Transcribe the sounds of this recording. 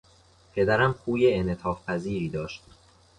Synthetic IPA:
pʰe̞d̪æɾæmxʰuːjeenet̪ʰɒːfpʰæziːɾiːd̪ɒːʃt̪̚

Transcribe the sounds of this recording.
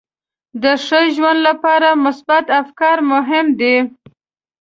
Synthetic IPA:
d̪əʂəjʒwand̪lapɑɾamʊsbat̪afkɑɾmʊɦɪmd̪e

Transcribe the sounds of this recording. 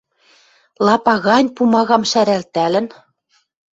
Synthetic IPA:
lˠɑpɑɣɑnʲpumɑɣɑmʃæɾælt̪ælɘ̆n

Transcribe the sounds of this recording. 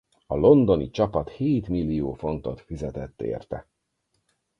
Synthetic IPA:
ɒlo̞nd̪o̞nit͡ʃɒpɒt̪heːt̪milːijoːfo̞nt̪o̞t̪fizɛt̪ɛt̪ːḛːrt̪ɛ

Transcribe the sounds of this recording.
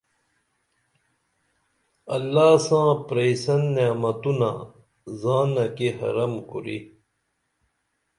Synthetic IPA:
ɐlːaːsãːpɾeisɐnːeːmɐt̪una̰ | zaːnɐkehɐ̰ɾɐmkuɾḭ

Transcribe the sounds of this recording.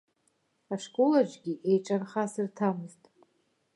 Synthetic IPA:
aʂkʼolad͡ʒɡʲiʔe̞jʈ͡ʂʼarχasɨrtʰamɨztʼ

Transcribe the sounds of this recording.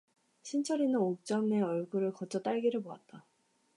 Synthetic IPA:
ɕʰint͡ɕʰʌɾinɯnok̚t͡ɕ͈ʌmne̞ʌɭɡuɾɯɭkʌd͡ʑʰʌt͈aɭɡiɾɯɭpoa̰t̚t͈a

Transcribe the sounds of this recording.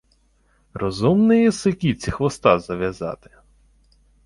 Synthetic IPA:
rɔzumnɪjisɪkʲit͡sʲixʋɔst̪ɑzɐʋʲjɐzɑ̰t̪ɪ̥

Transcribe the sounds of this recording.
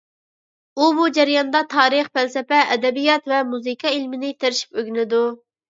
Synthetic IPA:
ubud͡ʒɛɾijɑnd̪ɑt̪ʰɑːɾɨχpælsɛpɛʔːd̪ɛbijɑt̪vɛmuzɨkʰɑilmɪnɪt̪ʰeɾɪʃi̥pøɡʲnɪd̪u

